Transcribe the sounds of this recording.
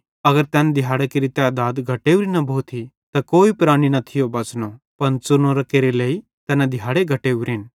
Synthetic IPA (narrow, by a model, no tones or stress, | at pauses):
ɐɡəɾt̪ɛːnd̪ɪɦaːɽekeɾit̪eaːd̪aːd̪ɡʱɐʈeːuɾinɐbʱot̪ʰi | t̪ɐkoːipɾaːɽ̃inɐt̪ʰɪjobɐt͡sno | pɐnt͡sʊnoɾɐkeːɾeleːi | t̪ɛːnad̪ɪɦaːɽeɡʱɐʈeːʋɾɪn